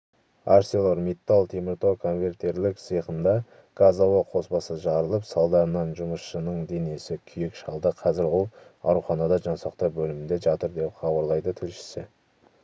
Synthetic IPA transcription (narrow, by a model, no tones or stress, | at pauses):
aɾselˠoɾmʲet̪ːalˠt̪ʰemɪɾt̪okʰo̞nvʲe̞rt̪e̞ɾlɪksəjqənd̪ɑ | ɡ̥azawəqʰo̞sbɑsəʒɑɾəlˠəpsɑlˠd̪ɑɾənɑnʒʊməsʃənəɴd̪e̞ne̞sɪkʲʰʏjɪkʃɑlˠd̪əqʰɑzɪɾwo̞lˠɑ̰wɾuχɑnɑd̪ɑʒɑnsɑqt̪əbɵlɪmɪnd̪e̞ʒɑt̪əɾd̪e̞pχɑbɑɾlˠɑjd̪ət̪ʰʏlʃɪ̥sɪ